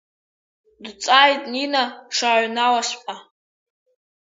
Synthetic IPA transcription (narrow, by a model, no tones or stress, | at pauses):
dt͡sʼajtʼninaʂaʕʷnawaʃpʼa